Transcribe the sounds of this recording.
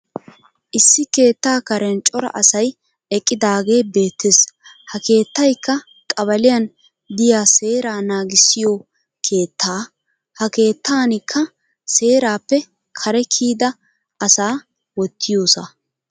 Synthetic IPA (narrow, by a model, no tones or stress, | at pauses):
ʔɪsːɪke̞ːt̪ːaːkɐɾɛnt͡ʃʼɔɾɐ̰ʔɐsɐj | ɛkʼːɪd̪aːɡe̞ːbe̞ːt̪ːes | hɐke̞ːt̪ːɐjkːɐ | kʼɐβɐlɪjɐn | d̪ɪjaːse̞ːɾaːnaːɡɪsːɪjoː | kʰe̞ːt̪ʰːaː | hɐke̞ːt̪ːaːnɪkʰːɐ | se̞ːɾaːpːɛ | kʰɐɾɛkʰiːd̪ɐ | ɐsaː | wɔt̪ʰːɪjoːsɐ